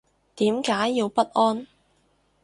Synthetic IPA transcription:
t̪iː˨˥mkaː˨˥jːiː˧wpɐ˥t̚ʔɔː˥n

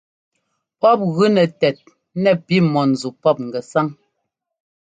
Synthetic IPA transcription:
pɔ˦p̚ɣʉ˦nɛ˨tɛ˨t̚ | nɛ˨pi˦˨mɔ˨n̩˨zu˨pɔ˦p̚ŋ̩˨ɡɛ˨sa˦ŋ

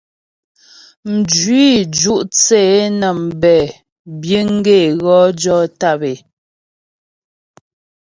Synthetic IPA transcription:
m̩˨d͡ʒi˦˨d͡ʒu˦ʔt͡seː˦˨˦nə˨m̩˨bɛ˨ | bje˦ŋ̩˦ɡe˦˨ɣɔ˦d͡ʒɔ˦ta˦˨be˨

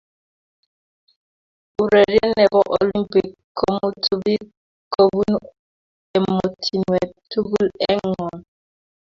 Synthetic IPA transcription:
u˨ɾɛ˨ɾjɛ˦nɛ˨bɔ˦ʔo˨li˦mpi˨kʰː | o˦mu˦tʰu˦bi˦ | ko˦bu˦n | ɛ˨mo˨tʰi˨nwɛ˨tʰu˦bu˦lɛ˦ŋɔ˨n

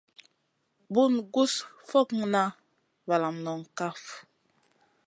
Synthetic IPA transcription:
bu˦˨nɡu˦sfɔ˦˨kŋna˦ | va˨la˨mnɔ˨ŋ˨ka˦f

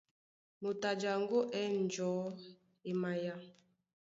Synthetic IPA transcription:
mo˨ta˨d͡ʒa˨ŋ˦ɡo˦ʔɛ˦n̩˨d͡ʒɔ˨˦ | e˨ma˨ja˦

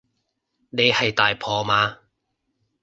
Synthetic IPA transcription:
ne˨˧jhɐ˨jt̪aː˨jpʰɔː˨˧maː˨˧

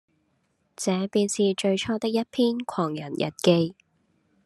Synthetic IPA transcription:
t͡sɛː˨˥piː˧nsiː˨˧t͡ʃɵ˧ɥt͡ʃʰɔː˥t̪ɪ˥k̚jɐ˥t̚pʰiː˥nkʰɔː˨˩ŋjɐ̰˨˩njʔɐ̰˨˩t̚ke˧j

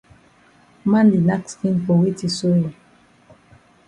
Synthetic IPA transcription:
ma˦ndi˨na˦kskĩ˦npo˨wi˦ti˨so˦jo˨

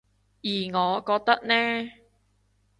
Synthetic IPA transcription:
jiː˨˩ŋɔː˨˧kɔː˧k̚t̪ɐ˥k̚nɛː˥

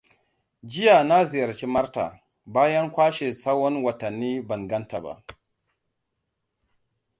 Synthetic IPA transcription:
d͡ʒɪ˦ja˨na˦zi˨jɐ˨ɾt͡ʃi˦ma˦ɾta̰˨ | baː˦ja˦ŋkʷaː˦ʃe˨sa˦wɔ˦nwɐ˨tɐ˨nːiː˦bɐ˨ŋɡɐ˦nta˨ba̰˦˨

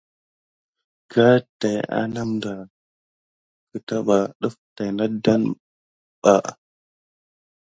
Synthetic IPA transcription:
ɡa˦ta˨ja̰˦na˦mda˨ | kə˨ta˦ɓa˨ɗu˦fta˨jna˦da˦n | ɓ̥a˨ʔ

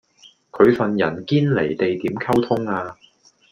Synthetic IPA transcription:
kʰɵ˨˧ɥfɐ˨njɐ˨˩nkiː˥nle˨˩jt̪e˨jt̪iː˨˥mkʰɐ˥wt̪ʰʊ˥ŋaː˧

